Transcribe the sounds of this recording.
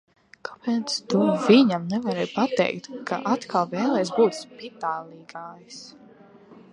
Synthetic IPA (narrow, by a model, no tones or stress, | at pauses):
kapɛnst̪uviɲamnɛvaɾɛjpat̪ɛ̰jkt̪kʰa̰ʔat̪kʰalˠvɛːlˠɛːjsbuːt̪spit̪aːlˠiːɡaːjs